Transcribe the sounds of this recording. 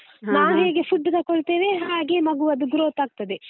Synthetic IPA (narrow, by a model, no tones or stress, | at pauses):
naːnɦe̞ːɡe̞pʰuɖːt̪ɐkoɭt̪eːʋeɦaːɡe̞mɐɡuɐd̪uɡuɾoːt̪aːɡ̚t̪ɐd̪e